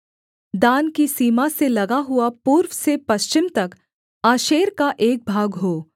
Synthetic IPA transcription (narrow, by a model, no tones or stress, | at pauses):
d̪aːnkisiːmaselɐɡaɦʊapuːɾwsepɐʃt͡ʃɪmt̪ɐk | aːʃeːɾkaʔeːk̚bʱaːɡɦoː